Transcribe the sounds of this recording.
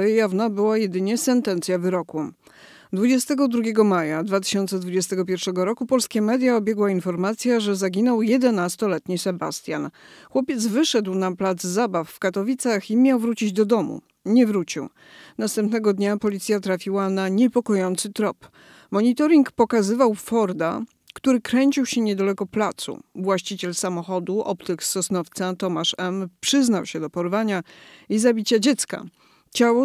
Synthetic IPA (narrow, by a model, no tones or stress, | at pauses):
jjavnabɘwajɛd̪ɘɲɛsɛnt̪ɛnt̪sʲjavɘɾɔku | d̪vud͡ʑɛst̪ɛɡɔd̪ɾuɡʲɛɡɔmajad̪vat̪ɘ̥ɕɔnt̪sɛd̪vud͡ʑɛst̪ɛɡɔpʲjɛɾfʂɛɡɔɾɔkupɔlskʲamɛd̪ʲjaɔbʲjɛɡwainfɔɾmat̪sʲjaʐɛzaɡʲinɔwjɛd̪ɛnast̪ɔlɛt̪ɲisɛbast̪ʲja̰nxwɔpʲjɛt̪zvɘʂɛd̪wnaplad̪zzabafːkat̪ɔvʲit̪saximʲjawvɾut͡ɕid͡ʑd̪ɔd̪ɔmṵ | ɲɛvɾut͡ɕḭw | nast̪ɛmpnɛɡɔd̪ɲapɔlʲit̪sʲjat̪ɾafʲiwanaɲɛpɔkɔjɔnt̪sɘt̪ɾɔp | mɔɲit̪ɔɾʲiŋkpɔkazɘvawfɔɾd̪a̰ | kt̪uɾɘkɾɛɲt͡ɕiwɕɛɲɛd̪alɛkɔplat̪sṵvwaɕt͡ɕit͡ɕɛlsamɔxɔd̪uʔɔ̰pt̪ɛksɔsnɔft̪sat̪ɔmaʂɛmpʂɘznawɕɛd̪ɔpɔɾvaɲaizabʲit͡ɕad͡ʑɛt̪ska̰ | t͡ɕawɔ